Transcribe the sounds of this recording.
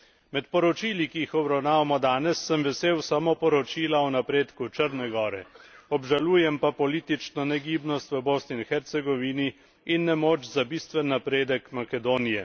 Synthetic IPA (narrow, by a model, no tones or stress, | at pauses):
mɛt̪pɔɾɔt͡ʃiːlikijixɔbɾawnaːʋamɔd̪aːnɛsːəmʋɛseːwsamopɔɾɔt͡ʃiːlaɔnapɾeːt̪kut͡ʃəɾnɛɡɔːɾɛɔbʒaluːjɛmpapɔliːt̪it͡ʃnɔnɛɡiːbnɔst̪ʋəboːsninxɛɾt̪sɛɡɔʋiːniː | nːɛmoːt͡ʃzabist̪ʋɛnːapɾeːd̪ɛkmakɛd̪oːnijɛ